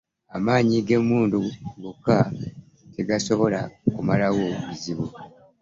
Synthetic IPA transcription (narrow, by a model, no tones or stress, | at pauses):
amaːɲiɡe̞mːuːnduɡukːa | te̞ɡaso̞βo̞lakumalawo̞βuziβu